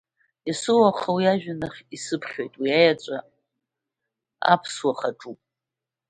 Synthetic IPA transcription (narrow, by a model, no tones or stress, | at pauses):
isɨwaχawiaʒᶣanaχʲisɨpʰχʲo̞jtʼwiajat͡ʃʷʼa | a̰pʰswaχaʈ͡ʂʼu